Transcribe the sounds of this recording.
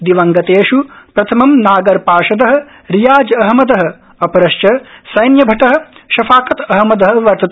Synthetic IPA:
d̪iʋɐŋɡɐt̪eːʃupɾɐt̪ʰɐmɐmnaːɡɐɾpaːʃɐd̪ɐɦɐ̆ | ɾijaːd͡ʒɐɦɐmɐd̪ɐɦɐ̆ | ɐpɐɾɐʃt͡ʃɐsɐjnjɐbʱɐʈɐɦɐ̆ʃɐfaːkɐt̪ɐɦɐmɐd̪ɐɦɐ̆ʋɐɾt̪ɐt̪

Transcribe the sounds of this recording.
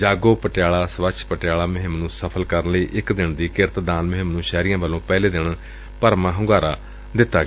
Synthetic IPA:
d͡ʒaːɡoːpəʈɪjaːɭaːsəʋət͡ʃʰpəʈjaːɭaːmʊɦɪmnũːsəpʰəlkəɾənləiːʔɪkd̪ɪɳd̪iːkɪɾət̪d̪aːnmʊɦɪmnũːʃɛːɾijãːʋəlːõːpɛːleːd̪ɪɳ | pəɾmãːɦʊ̃ŋɡaːɾaː | d̪ɪt̪ːaːɡ

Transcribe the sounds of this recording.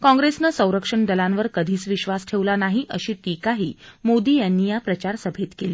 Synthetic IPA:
kɔ̃ŋɡɾesnəsə̃w̃ɾəkʂəɳɖ̪əlãnʋəɾkəd̪ʱiːt͡sʋiɕʋasʈʰeʋlanaɦiʔəɕiːʈikaɦiːmod̪iːjanːiːjapɾət͡ɕaɾsəbʱet̪keliː

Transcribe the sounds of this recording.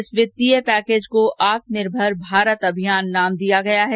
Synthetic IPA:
ɪsʋɪt̪ːiəpɛːkeːd͡ʒkoʔʔaːt̪nɪɾbʱəɾbʱaːɾət̪ɐbʱijaːnːaːmd̪ijaɡɐjaɦɛ

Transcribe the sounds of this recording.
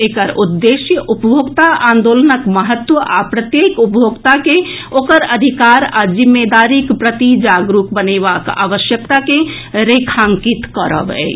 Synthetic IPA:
ekəɾud̪ːesjəʔupəbʱoɡt̪aãːnd̪olənəkməɦət̪wəʔapɾət̪jekupjʱoɡt̪ake | okəɾəd̪ʱikaɾad͡ʒimːed̪aɾikpɾət̪id͡ʒaɡɾukbənebaka̰ːʋəʃjək̚t̪ake | ɾekʰaŋkit̪kəɾə̰bɛ̰

